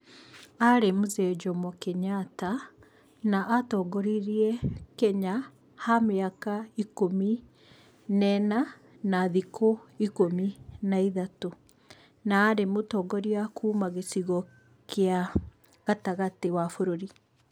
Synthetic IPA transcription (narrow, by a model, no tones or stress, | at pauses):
aɾemuzɛd͡ʒɔmɔkeɲata | naʔatɔːɡɔɾiɾiɛkɛɲa | hameakaikomi | nɛna | naðikʰoikominaiðato | naːɾemotɔːɡɔɾiakʰuːmaɣesiɣɔ | kea | ɣataɣatewafoɾoɾi